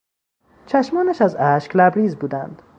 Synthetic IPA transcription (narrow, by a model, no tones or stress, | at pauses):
t͡ʃʰæʃmɒːnæʃæzæʃklæbɾiːzbuːd̪ænd̪̥